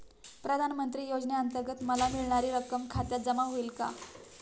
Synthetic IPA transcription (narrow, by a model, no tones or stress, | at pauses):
pɾəd̪ʱanmənt̪ɾiːjod͡zneənt̪əɾɡət̪məlamiɭɳ̃aɾiːɾəkəmkʰat̪jad͡zəmaɦoilka̰